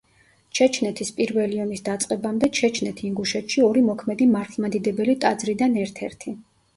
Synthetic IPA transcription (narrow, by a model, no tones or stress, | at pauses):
t͡ʃʰɛt͡ʃʰnɛt̪ʰispʼiɾvɛliɔnisd̪at̪sʼqʼɛbamd̪ɛt͡ʃʰɛt͡ʃʰnɛt̪ʰiːŋɡuʃɛt̪ʰʃiɔɾimɔkʰmɛd̪imaɾt̪ʰlˠmad̪id̪ɛbɛlit̪ʼad̪zɾid̪anɛɾt̪ʰɛ̰ɾt̪ʰi